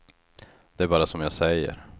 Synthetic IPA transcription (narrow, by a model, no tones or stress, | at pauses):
d̪̥ɛæɾbɑːɾasɔmjɑːsɛjːə̰ɾ